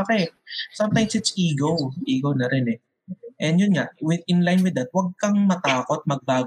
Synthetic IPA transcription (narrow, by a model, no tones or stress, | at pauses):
akɛsɐmt̪ãjmsɪt̪sʔiːɡowʔiːɡownɐɾɛnɛ | ʔɛnd̪jʊnŋaʔwɪd̪ɪ̃nlajnwɪd̪ːɐt̪̚wɐɡ̚kɐŋmɐt̪aːko̞t̪̚mɐɡ̚baːɡ